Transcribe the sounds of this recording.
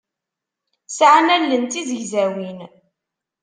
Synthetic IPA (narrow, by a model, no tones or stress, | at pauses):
sʕnælːənt̪iðəʝzæwin